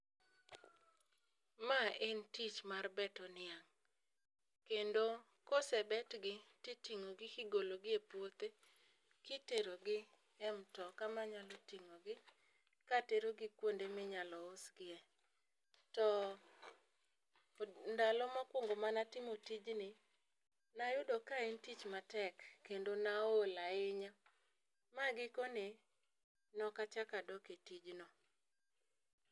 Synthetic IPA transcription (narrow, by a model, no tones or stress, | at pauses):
maentit͡ʃmarbɛtɔnɪaŋ | kendo | kosɛbɛtɡɪtɪtiŋoɡɪkɪɡoloɡɪepwot̪e | kiteɾoɡɪ | ɛmtɔkamaɲalɔtiŋoɡɪ | kateɾoɡɪkwondemɪɲalɔosɡɪɛ | tɔ | ndalɔmakwoŋɡomanatɪmotid͡ʒnɪ | najʊdɔkaɪntit͡ʃmatɛkːendonaolaɪɲa | maɡɪkone | nɔkat͡ʃakadɔketid͡ʒnɔ